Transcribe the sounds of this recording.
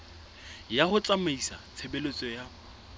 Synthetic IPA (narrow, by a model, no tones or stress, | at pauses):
jaχʊt͡sʼamaisat͡sʰebelet͡sʼɔja